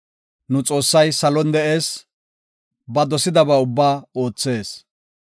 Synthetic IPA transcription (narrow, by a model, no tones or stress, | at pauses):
nʊt͡sʼo̞ːsːɐjsɐlɔnd̪ɛʔe̞ːs | bɐd̪ɔsɪd̪ɐbɐʊbːaːo̞ːt͡sːe̞ːs